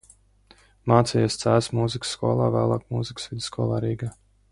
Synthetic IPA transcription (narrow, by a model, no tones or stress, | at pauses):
maːt̪sɛjɛst̪sæːsmuːziksːkuɔlˠa̰ːvæ̰ːlˠaːkmuːziksvid̪skɔɔlˠaːɾiːɡaː